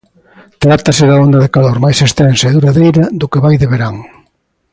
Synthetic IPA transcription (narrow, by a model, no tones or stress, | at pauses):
t̪ɾat̪ɐsɪðaond̪ɐðekaloɾmajsest̪ɛnsɐeðuɾaðejɾɐðʊkeβajðeβeɾaŋ